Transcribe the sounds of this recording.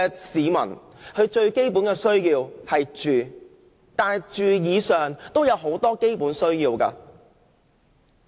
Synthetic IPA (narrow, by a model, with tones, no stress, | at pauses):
siː˨˧mɐ̰˨˩n | hɵ˨˧ɥt͡ʃɵ˧ɥke˥jpu˨˥nkɛ˧sɵ˥ɥjiː˧whɐ˨jt͡ʃyː˨ | t̪aː˨˩jt͡ʃyː˨jiː˨˧sœː˨ŋt̪o˥wjɐ˨˧wɦo˨˥wt̪ɔː˥ke˥jpuː˨˥nsɵ˥ɥjiː˧wkɐ̰ː˧